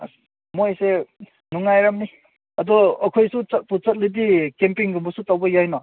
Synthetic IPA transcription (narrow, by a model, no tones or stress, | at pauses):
mojse | nuŋːajɾamni | ɐd̪ɔːkʰojsut͡satput͡sɐt̚lidikempiŋɡumbɔsutawbɔjajnɔ